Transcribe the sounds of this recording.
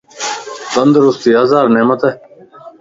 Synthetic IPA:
d̪ənd̪ɾʊst̪iːɐzaːɾneːmət̪ɛː

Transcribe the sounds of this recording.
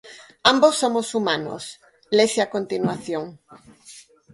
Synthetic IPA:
ambosːomosumãno̰s | lesiakont̪inwaθjoŋ

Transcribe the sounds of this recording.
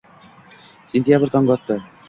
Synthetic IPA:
sʲenʲt̪ʲjabəɾt̪ɒŋɡɒt̪ːɤ

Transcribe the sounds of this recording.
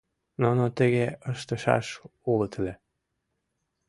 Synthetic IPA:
nonot̪ə̆ɣeəʃt̪ə̆ʃɑ̰ʃulət̪lʲe

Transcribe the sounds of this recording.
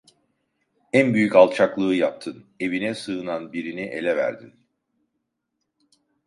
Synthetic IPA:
ænbyjycalˠt͡ʃʰaklˠɯːjap̚t̪ʰɯne̞vinɛsɯɯnanbiɾiniʔe̞̰lʲɛvæ̰ɾd̪ḭn

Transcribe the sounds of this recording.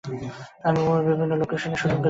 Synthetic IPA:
amioebibʱinːolokeʃoneʃud͡ʒokbe

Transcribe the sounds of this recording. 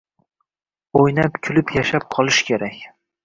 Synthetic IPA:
ojnapkʲʰʊlɪpjaʃap̚qʰɒlˠɪʃkʲʰe̞ɾakʲ

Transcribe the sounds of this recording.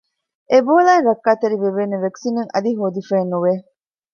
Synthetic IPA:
ʔeboːlaːnɾɐkːaːt̪ɐɾiʋeʋeːneʋeksiːneŋɐ̰d̪iɦoːd̪ifeːnːuʋe

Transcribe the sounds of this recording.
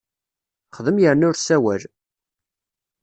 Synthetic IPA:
χəðəmjəɾnʊɾsæwæl

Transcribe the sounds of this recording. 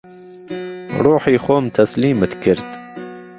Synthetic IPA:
ɾuːħiːxoːmt̪ʰɐsliːmɨt̪kʰɨɾt̪

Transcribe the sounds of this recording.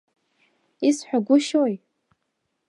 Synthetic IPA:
isħʷᶣaɡʷʊʃoj

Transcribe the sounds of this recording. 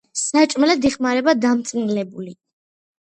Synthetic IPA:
sat͡ʃʼmɛlad̪iχmaɾɛbad̪amt̪sʼiʁlɛbuli

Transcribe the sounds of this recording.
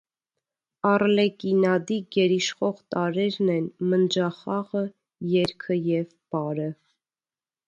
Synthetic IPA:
ɑrlɛkinɑd̪iɡɛɾiʃχɔʁt̪ɑɾɛɾnɛnmənd͡ʒɑχɑʁə | jɛɾkʰəjɛv | b̥ɑɾə

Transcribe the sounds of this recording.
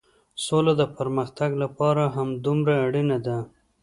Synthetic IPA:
solad̪əpaɾməxt̪aɡlapɑɾaɦamd̪umɾaːɽinad̪a

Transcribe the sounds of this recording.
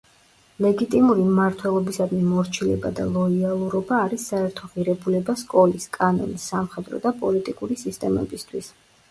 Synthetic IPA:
lɛɡit̪ʼimuɾimmaɾt̪ʰwɛlˠɔbisad̪mimɔɾt͡ʃʰilɛ̰ba̰d̪a̰lˠɔialˠuɾɔbaːɾisːaɛɾt̪ʰɔʁiɾɛbulɛbaskʼɔliskʼanɔ̰nisːamχɛd̪ɾɔ̰d̪apʼɔlit̪ʼikʼuɾisist̪ʼɛmɛ̰bist̪ʰwis

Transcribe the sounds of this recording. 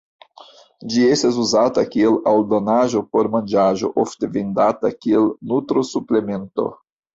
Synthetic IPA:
d͡ʒie̞stas̬uzatakielaldo̞naʒo̞po̞ɾmand͡ʒaʒo̞̰ʔofte̞vindatakielnutɾosuple̞me̞nto̞̰

